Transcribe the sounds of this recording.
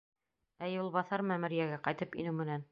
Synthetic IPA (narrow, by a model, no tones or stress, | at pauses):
æjulˠβɑθɑɾmæmɘ̆ɾjæɡæqɑjt̪ɤpḭnɘwmɘ̆næn